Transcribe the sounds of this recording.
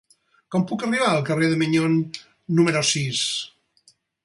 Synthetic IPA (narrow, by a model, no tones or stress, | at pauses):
kɔmpukəriβ̞aəlˠkəreðəmiɲonː | uməɾosis